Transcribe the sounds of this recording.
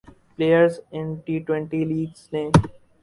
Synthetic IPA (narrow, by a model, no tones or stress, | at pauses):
pleːjəɾzɪ̃nʈiːʈwẽɳʈiliːɡznẽː